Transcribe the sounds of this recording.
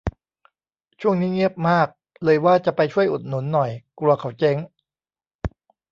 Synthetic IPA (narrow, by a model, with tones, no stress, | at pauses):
t͡ɕʰu˥˩əŋniː˦˥ŋi˥˩əp̚maː˥˩k̚ | lɤː˧jwaː˥˩t͡ɕa˨˩pa˧jt͡ɕʰu˥˩əjʔu˨˩t̪̚nu˩˦nːɔ˨˩jklu˧ɐkʰa˩˦wt͡ɕe˦˥ŋ